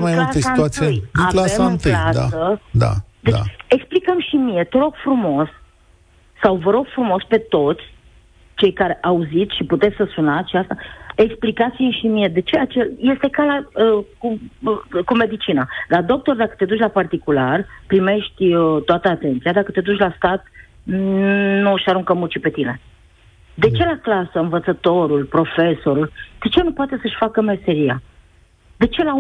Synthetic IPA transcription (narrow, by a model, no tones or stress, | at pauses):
majmulaəsiat̪uat̪siejalamɨnt̪ɨad̪a̰əd̪a̰d̪e̞t͡ʃeksplikəmʃimie̞t̪eɾo̞ɡ̥fɾumo̞sː | awvəɾo̞ɡ̥fɾumo̞spe̞t̪o̞t̪sʲ | t͡ʃe̞jkaɾe̞ʔauzit̪sʃiput̪et̪sʲsəsunat̪sʃiast̪ae̞ksplikat̪siʃimie̞d̪e̞t͡ʃe̞at͡ʃelje̞st̪e̞kalaəku | kume̞d̪it͡ʃinalad̪o̞k̚t̪o̞rd̪akə̥t̪e̞d̪ut͡ʃʲlapart̪ikularpɾime̞ʃt̪ʲət̪oat̪əat̪e̞nt̪sijad̪akət̪e̞d̪ut͡ʃʲlast̪at̪̚ | nuʃaɾuŋkəmut͡ʃipe̞t̪ine̞ | d̪e̞t͡ʃe̞laklasəɨnvət̪sət̪o̞ɾulpɾo̞fe̞so̞ɾuld̪̥e̞t͡ʃenupoat̪e̞səʃʲfakəme̞se̞ɾia | d̪̥e̞t͡ʃe̞la